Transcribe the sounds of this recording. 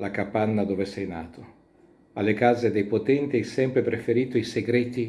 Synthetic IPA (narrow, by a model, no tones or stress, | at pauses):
lakapanːad̪oːvesɛjnaːt̪o | alːekaːzed̪ejpot̪ɛnt̪iajsɛmpɾepɾefeɾiːt̪oiseɡɾeːt̪i